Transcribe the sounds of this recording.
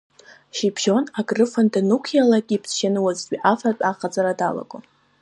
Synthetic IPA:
ʃipʰʒonaɡrɨfandanukʷʰjalaɡʲʼipʰsʃanɨwazɡʲʼiʔafatʼaχad͡zʼaɾada̰la̰ɡʼo

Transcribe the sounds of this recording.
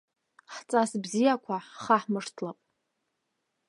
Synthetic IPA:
ħt͡sʼasbzijakʷʰaħχaħmɨʂtʰlapʼ

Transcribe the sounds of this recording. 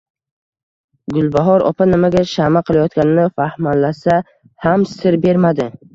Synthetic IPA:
ɡʊlˠbaɦɒɾɒ̰pʰanɪmaɡʲaʃamaqʰɨlˠajɒt̪ɡʲanɪnɪfahmanlasa | hamsɪɾbe̞ɾmad̪ɪ

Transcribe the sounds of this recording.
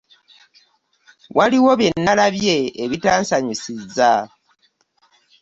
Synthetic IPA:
wʔaliwo̞βe̞nːalaβje̞ːβitaːnsaɲisiza

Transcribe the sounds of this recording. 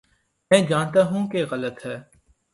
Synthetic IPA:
mɛ̃ːd͡ʒaːnt̪aːɦũkeɣələt̪ɦɛː

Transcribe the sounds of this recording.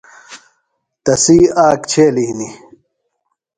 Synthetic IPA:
t̪ɐsiːaːkt͡ɕʰeːliɦni

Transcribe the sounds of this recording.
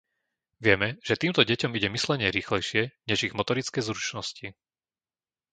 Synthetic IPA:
ʋɪɛmɛʒ̥ɛt̪iːmt̪ɔɟɛcɔmiɟɛmislɛɲɪɛɾiːxlɛjʃɪɛɲɛʒiɣmɔt̪ɔɾit͡skɛjzɾut͡ʃnɔsci

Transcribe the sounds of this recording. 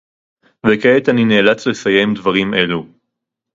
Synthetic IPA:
vekeet̪anineːlat͡slesaje̞md̪vaʁime̞lu

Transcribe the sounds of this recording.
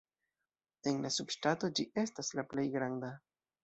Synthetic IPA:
e̞nlasubʃtato̞d͡ʒiʔe̞staslaple̞jɡɾanda

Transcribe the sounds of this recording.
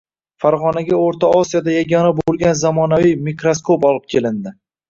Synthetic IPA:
faɾʁɒnaɡʲaoɾt̪ʰaɒsijad̪ajaɡʲɒnabolˠɡʲanzamɒnavijmikɾoskʰopɒlˠɪp̚kʲʰe̞lɪnd̪ɪ

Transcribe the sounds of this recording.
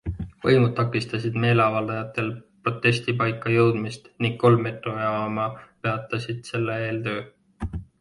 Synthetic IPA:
vɤ̰jmud̪̥̚t̪ːɑkːˑist̪ɑsid̪̥me̞ːle̞ɑvɑld̪ɑjɑt̪ːˑe̞lpro̞t̪ːˑe̞sʲt̪ipɑjkːˑɑjɤwd̪̥mist̪niŋɡ̥̚ko̞lmːe̞t̪ˑɾoɑɑmɑpeɑt̪ːˑɑsid̪̥se̞lːee̞ːlt̪ø̞ː

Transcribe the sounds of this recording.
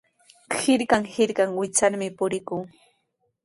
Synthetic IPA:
hɪɾkaŋhɪɾkaŋwɪt͡saɾmɪpʊɾɪkuː

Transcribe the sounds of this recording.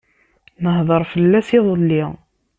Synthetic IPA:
nəɦðˤəɾˤfəlːæsiðˤəlːi

